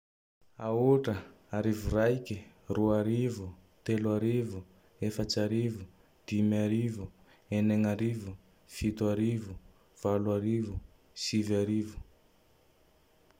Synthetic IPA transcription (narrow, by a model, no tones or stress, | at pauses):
auʈ͡ʂə | aɾivurajki | ruaɾivut̪elwaɾivu | efat͡ʃaɾivu | d̪̥imiaɾivu | eneŋaɾivu | fit̪uaɾivu | v̥alwaɾivu | sivaɾivu̥